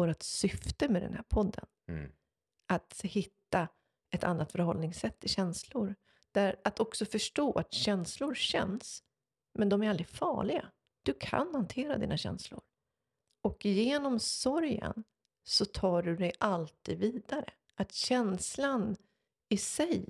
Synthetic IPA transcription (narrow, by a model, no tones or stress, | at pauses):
oːɾat̪sʏft̪əmɛd̪ɛ̰nhæ̰ːɾpʰɔd̪ːə̰n | at̪hɪt̪ːa | ɛt̪ʰa̰nːat̪fœɾɦɔlnɪŋsɛt̪ʰːɪɕɛnslʊɾ | d̪̥æɾat̪ɔksɔfœʂʈoːʔat̪ɕɛnslʊɾɕɛ̰ns | mɛnd̪ɔmæɾald̪ɾɪɡ̪fɑ̰ːɭɪɡa̰ | d̪̥ɵkʰa̰nhant̪ʰeːɾad̪ḭːnaɕɛ̰nslʊ̰ɾ | ɔkjeːnɔmsɔɾjə̰n | sɔt̪ʰɑːɖɵd̪ɛjalt̪ʰiːd̪viːd̪aɾə̰ | at̪ɕɛnslan | ɪsɛj